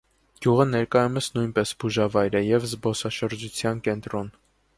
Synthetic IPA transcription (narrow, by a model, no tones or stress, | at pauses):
ɡ̥juʁənɛɾkɑjumɛsnujnpɛsbuʒɑvɑjɾəjɛvzbɔsɑʃəɾd͡ʒut͡sʰjɑnkɛnt̪ɾɔn